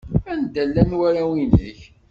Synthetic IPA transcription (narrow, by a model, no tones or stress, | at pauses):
ænd̪ælːænwæɾæwinə̰ç